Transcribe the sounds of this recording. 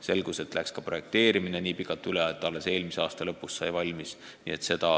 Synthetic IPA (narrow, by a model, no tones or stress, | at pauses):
se̞lɡ̥use̞t̪ːˑlækskɑpro̞je̞k̚t̪e̞ːɾimineniːpikˑɑt̪ːˑyleet̪ːˑɑlːe̞se̞ːlmiseɑːst̪ɑlɤpːˑusːɑjvɑlʲmis | nḭːe̞t̪se̞d̪̥ɑ